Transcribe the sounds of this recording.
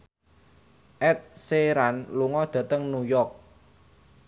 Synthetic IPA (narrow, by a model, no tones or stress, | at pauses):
ʔɛt̪̚seɾanluŋɔd̪̥ä̤t̪əŋnujɔrk̚